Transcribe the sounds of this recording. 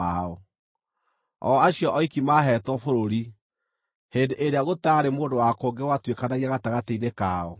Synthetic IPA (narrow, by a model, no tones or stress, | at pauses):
aɔ | ɔaɕiɔʔɔikimaɦɛtwɔfoɾoɾi | hendeʔeɾeaɣotaɾemoːndowakoŋɡewatwekanaɣiaɣataɣateinekaːɔ